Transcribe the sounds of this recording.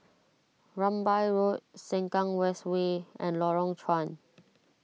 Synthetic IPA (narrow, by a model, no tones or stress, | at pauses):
ɹãmbajɹot̚sɛ̃ŋkãŋwɛstweɛ̰̃nlɔɹɔ̃ŋt͡ʃʰɹãn